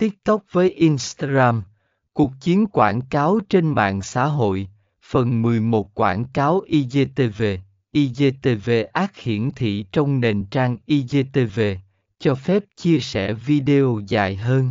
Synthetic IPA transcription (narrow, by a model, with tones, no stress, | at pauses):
t̪i˦˥ət̚t̪ə˦˥wk͡p̚vəː˨˦jʔi˧nst̪aː˧ɣaː˧m | ku˨˩ək̚t͡ɕi˨˦ənkwa̰ː˧˩nkaː˨˦wt͡ɕe˧nma̰ː˧˨ŋsa̰ː˧˥ɦo̰˧˨j | fə˨˩nmɨ˨˩əjmo˨˩t̚kwa̰ː˧˩nkaː˨˦wʔi˧ze˧t̪e˧ve˧˩ | ʔi˧ze˧t̪e˧ve˧ʔaː˦˥k̚hḭ˧˩˨ənt̪ʰḭ˧˨t͡ɕɔ˧wŋ͡mne˨˩nt͡ɕaː˧ŋʔi˧ze˧t̪e˧ve˧ | t͡ɕɔ˧fɛ˦˥p̚t͡ɕi˧əsɛ˧˩vi˧ɗe˧o˧za̰ː˨˩˨jɦəː˧n